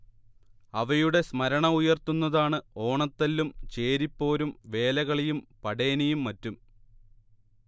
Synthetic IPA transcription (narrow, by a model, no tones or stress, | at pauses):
ɐʋɐjuɽe̞smɐɾɐɳɐujɐrt̪unːɐðaːɳɨo̞ːɳɐt̪ːɐlːumt͡ɕe̞ːɾipːo̞ːɾumʋe̞ːlɐɣɐɭijumpɐɽe̞ːnijumːɐtːum